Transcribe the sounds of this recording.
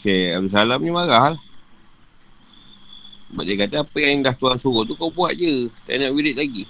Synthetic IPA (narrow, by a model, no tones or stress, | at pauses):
sajab̚dus̬alamɲəmaɣahlah | ba̰ʔ̚akat̪aapəjaŋdaht̪uansuɣot̪ukawbuaʔ̪̚d͡ʒət̪a̰naʔwiɾɪt̪̚laɡi